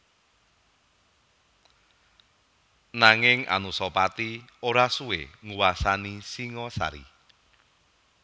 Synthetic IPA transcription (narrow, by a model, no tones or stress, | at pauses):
naŋɪŋa̰nusɔpat̪ioɾasuḛŋuwasanisiŋɔsa̰ɾḭ